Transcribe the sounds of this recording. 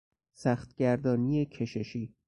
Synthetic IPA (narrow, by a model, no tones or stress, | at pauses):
sæːxt̪ɟ̥æɾd̪ɒːnijecʰe̞ʃe̞ʃiː